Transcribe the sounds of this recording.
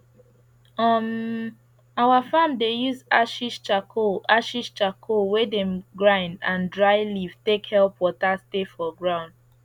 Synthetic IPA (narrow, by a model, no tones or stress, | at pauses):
ʌm | awafãmdejuzaʃiʃt͡ʃakoʔaʃiʃt͡ʃakʰowedɛ̃mɡɹãɪ̃ndãndɹaɪliv̥tekhɛlˠpwɔtastefɔɡɹãʊ̃nd̚